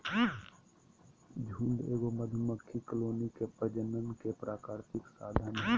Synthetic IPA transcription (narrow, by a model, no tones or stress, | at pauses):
d͡ʒʱũːnd̪eːɡoməd̪ʱʊməkʰːikloːnikepəd͡ʒənənkepɾaːkaːɾt̪ɪksaːd̪ʱənɦɛ